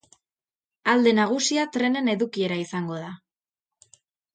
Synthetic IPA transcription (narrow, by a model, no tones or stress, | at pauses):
ald̪e̞naɣ̞usiat̪ɾe̞ne̞ne̞ðukie̞ɾaisaŋɡo̞ð̞a